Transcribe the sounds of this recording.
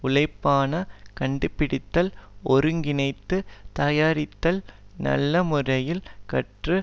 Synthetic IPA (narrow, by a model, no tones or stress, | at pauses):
ʊlɐɪpːaːnɐkɐɳɖɯpːɪɽɪt̪ːɐlɔɾɯŋɡɪnɐɪt̪ːɯt̪ɐːjaːɾɪt̪ːɐlnɐ̰lːɐmɯrɐjɪlkɐʈrɯ